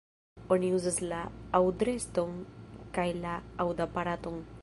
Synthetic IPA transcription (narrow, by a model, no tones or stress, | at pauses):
onjuzəslaawd̪ɾest̪oŋkajlaawd̪apaɾat̪uŋ